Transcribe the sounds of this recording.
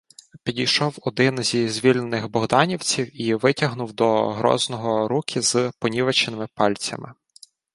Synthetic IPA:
pʲidʲijʃɔwɔd̪ɪnzʲizʲʋʲilʲnenɪxbɔɦd̪ɑnʲiwt͡sʲiwiʋɪtʲɐɦnʊwd̪ɔɦɾɔ̰znɔɦɔɾukʲʰizpɔnʲiʋɐt͡ʃnɪmɪpɑlʲt͡sʲɐ̰mɪ

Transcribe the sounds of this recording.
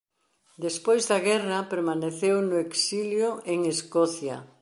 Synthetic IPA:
d̪espojzðɐɣɛrɐpeɾmaneθewnʊeksiljoeŋeskɔθja̰

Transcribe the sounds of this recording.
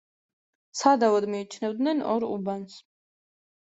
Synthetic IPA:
sʰad̪avad̪miːt͡ʃʰnɛvd̪nɛnɔɾubans

